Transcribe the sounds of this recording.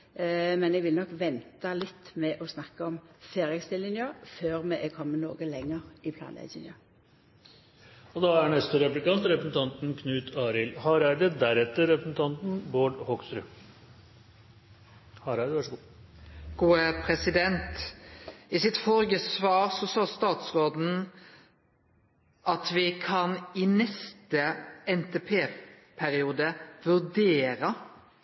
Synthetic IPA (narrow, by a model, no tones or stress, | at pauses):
mɛnɛɡʋɪlnɔkʋɛnt̪ɑlɪt̪ːmɛʔɔsnɑkːəɔmfeːɾɪɛɡst̪ɪlːɪŋjəføːɾmɛʔɛkʰɔmːənoːɡəlɛŋːəɾɪpʰlɑ̰nɛ̰ɪɪŋə | ɔd̪ɑæɳɛst̪əɾɛplɪkɑnt̪ɾɛpɾəsn̩t̪ʰɑnt̪nkʰnʉːt̪ʰɑːɾɪlhɑɾæɖ̪əd̪æɾɛt̪ːəɾɛpɾəsn̩t̪ʰɑnt̪n̩boːɖhɔkst̪ɾʉ | hɑɾæd̪əʋæʂɡːɡ̥uːəpʰɾɛsɪd̪ɛnt̪ | ɪsɪt̪fɔɾɡəsʋɑːɾsɔsɑːst̪ɑːt̪sʁoːd̪n̩ | ɑt̪ʋɪkʰɑnɪnɛst̪əɛnt̪eːpʰeː | pʰæɾɪuːd̪əʋʉd̪eːɾə